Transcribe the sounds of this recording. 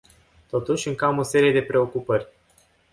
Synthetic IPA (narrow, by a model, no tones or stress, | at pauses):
t̪o̞t̪uʃʲɨŋkamo̞se̞ɾije̞d̪e̞pɾe̞o̞kupərʲ